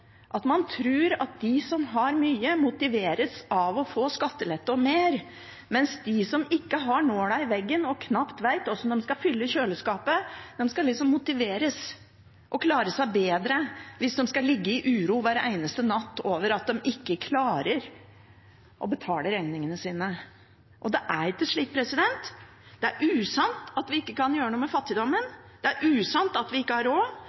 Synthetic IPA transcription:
ʔɑt̪mɑnt̪ʰɾʉːɾɑt̪̚d̪ɪsɔmɦɑɾmyːəmʊt̪ɪʋeːɾəsɑʋɔfoːskɑt̪ːəlɛt̪ːɔmeːɾ | mɛnsd̪ɪsɔmɪkːəɦɑɳoːɖ̪æɪʋɛɡːənɔkʰnɑpt̪ʋæɪt̪ɔsːɔd̪ɛmskɑfʏlːəçøːləskɑːpəd̪̥ɛmskɑlɪksɔmːʊt̪ɪʋeːɾəs | ʔɔkʰlɑːɾəsæɪbeːd̪ɾəʋɪsd̪ɛmskɑlɪɡːəɪʔʉːɾuːʋæːɾæ̰ɪnəst̪ənɑt̪ːoːʋəɾɑt̪̚d̪ɛmɪkːəkʰlɑːɾəɾ | ʔɔbət̪ʰɑːləɾɛŋnɪŋənəsiːnə | ʔɔd̪ɛʔæɾɪt̪ːɪʂɭiːk̚pʰɾɛsɪd̪ɛnt̪ | d̪̥ɛæɾʔʉːsɑnt̪ɑt̪ʋɪɪkːəkɑnjøːɾənuːəmɛfɑt̪ːɪd̪ɔmːənd̪̥ɛæɾʔʉːsɑnt̪ɑt̪ʋɪɪkːəhɑɾoː

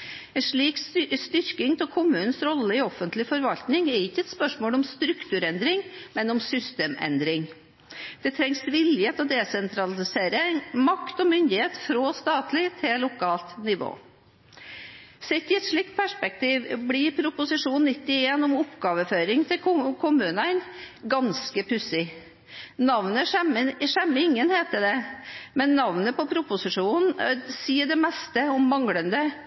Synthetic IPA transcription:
ɛnʂɭiːkst̪ʏɾkɪŋt̪ʰɪlkʰʊmːʉːnn̩sɾɔlːəɪɔfːənt̪lɪfɔɾʋɑlt̪nɪŋɛɾɪçːəɛt̪spœʂmoːlɔmst̪ɾʉkt̪ʉːɾɛnd̪ɾɪŋmɛnɔmsʏst̪eːmɛ̰nd̪ɾɪŋ | d̪̥ɛt̪ʰɾɛŋsʋɪljət̪ɔd̪eːsɛnt̪ʰɾɑlɪseːɾəmɑkt̪ɔmʏnd̪ɪheːt̪fɾoːst̪ɑːt̪lɪt̪ʰɪlʊkʰɑːlt̪nɪʋo̰ː | sɛt̪ːɪɛt̪ʂɭiːk̚t̪̚pʰæʂpɛk̚t̪ʰiːʋblipʰɾʊpʊsɪʂuːnnːɪt̪ːɪeːnʊmʊpɡɑːʋəføːɾɪŋt̪ʰɪlkʰʊmʉːnənɡɑnskəpʰʉsɪ | nɑʋnəəʂɛmːəɪŋːənheːt̪əɖ̪ɛmɛnːɑʋnəpɔpʰɾʊpʊsɪʂuːnn̩siːəɖɛmɛst̪əɔmːɑŋɽənd̪ə

